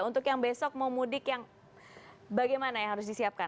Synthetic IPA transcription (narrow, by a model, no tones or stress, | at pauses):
unt̪ʊkjaŋbesɔk̚maumudɪkjaŋ | baɡajmanajaŋɦaɾʊs̬disiap̚ka